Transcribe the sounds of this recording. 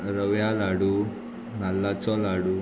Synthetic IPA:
ɾɐʋjaːlaɽu | nɐlːat͡ʃolaɽu

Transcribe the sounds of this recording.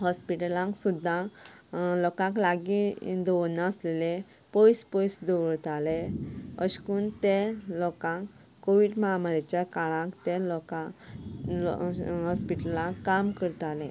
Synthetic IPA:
hɔspiʈəlãŋksud̪ʱːã | lɔkãŋklaɡĩd̪ɔʋnãslele | pɔjspɔjsd̪ɔʋəɭt̪aleəɕkunt̪elɔkãkː | oʋiɖməamaɾat͡ɕjakaɭãkt̪elɔkã | ɦɔspiʈəlãkːamkəɾt̪alẽ

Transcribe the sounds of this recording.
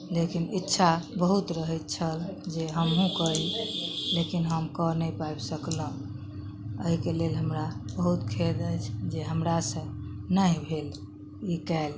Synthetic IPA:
lekinitːʃʰabəɦut̪ɾəɦɛt̪̚t͡ʃʰəld͡ʒeɦəmɦũkəɾillekinɦəmkənəjpajbsəklə̃ | əɦikelelɦəmɾabəɦut̪kʰed̪ət͡ʃʰd͡ʒeɦəmɾasə̃nəibʱel | ikɛl

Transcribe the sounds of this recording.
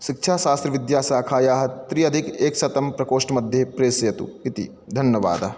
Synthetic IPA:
ʃik̚t͡ʃʰaːʃaːst̪ɾɐʋid̪jaːsaːkʰaːjaːɦɐt̪ɾiɐd̪ʱikeːksɐt̪ɐmpɾɐkoːʂʈɐmɐd̪ʱjepɾeːsɐjɐt̪ṵit̪ḭ | d̪ʱɐnjɐʋa̰ːd̪ɐ

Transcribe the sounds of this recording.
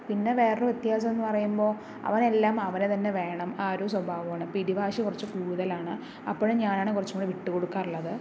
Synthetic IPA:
pinːe̞ʋe̞ːrejet̪jaːs̬ɐmenːɨpɐrɐjumbo̞ː | ɐ̰ʋɐne̞lːaːmɐʋɐnet̪ɐnːe̞ʋe̞ːɳɐmaːɾoswɐbʱaːʋɐmaːɳɨpːiɾibʱaːɕikurɐt͡ɕːɨkuːɽuðɐlaːɳɨ | ɐpːoɻuɲaːnaːɳɨkurɐt͡ɕːuŋoɳɖɨʋiʈːɨko̞ɽukːaːruɭːɐðɨ

